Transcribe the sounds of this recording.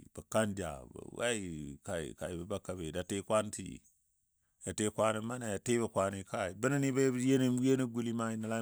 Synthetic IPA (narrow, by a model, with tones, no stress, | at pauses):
b̥ə˨ka˦nd͡ʒa̰˨b̰wa̰˦i˦ka˨ḭ˨ka˨i˨bə˨ba˦kːa˨be˨da˨te˦kʷa˦ntḭ˦˨ | ja˨te˦kʷa˦ni˨ma˦na˨ja˨te˦bə˨kʷa˨ni˨ka˦i˨bə˦na˦ni˦be˦je˦ni˦e˦ni˦ɡu˦li˦ma˦i˨na˨la˦